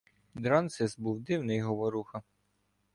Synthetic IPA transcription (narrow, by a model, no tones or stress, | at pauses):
d̪ɾɑnt̪sɪsbuwd̪ɪwnɪjɦɔʋɔɾuxɐ